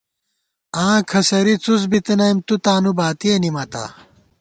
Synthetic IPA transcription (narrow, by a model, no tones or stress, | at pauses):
ãːkʰɐsɐɾit͡sus̬bit̪inɐjmt̪ut̪aːnubaːt̪ienimɐt̪a̰